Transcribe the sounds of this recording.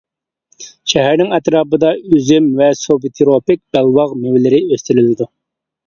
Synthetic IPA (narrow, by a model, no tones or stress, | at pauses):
ʃɛɦæɾnɪŋɛt̪ɾɑːpɨd̪ɑyzymvɛsobit̪ʰɾopɪk̚ʲb̥ælˠwɑʁmewlɪɾɪøst̪ɪlɪlɪd̪u